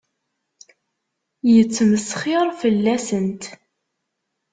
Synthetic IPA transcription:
jət͡sːməsχɪɾˤfəlːæsənt̪

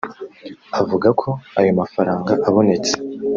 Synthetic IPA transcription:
avuɡakʰo̞ajo̞mafaɾaːŋɡaʔaβo̞ne̞t͡se̥

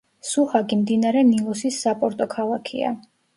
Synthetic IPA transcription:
suχaɡimd̪inaɾɛnilˠɔsisːapʼɔɾt̪ʼɔkʰalˠakʰḭa̰

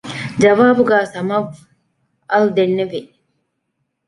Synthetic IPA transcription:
d͡ʒɐʋaːbuɡaːsɐmɐʋ | ɐld̪enːeʋi

